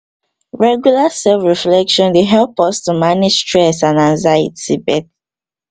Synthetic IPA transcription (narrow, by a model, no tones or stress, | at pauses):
ɹɛɡjulasɛlfɹiflɛkʃɔ̃ndeɦɛlˠpɔstumanɪd͡ʒ̥stɹɛsãnãnzajḭtibɛt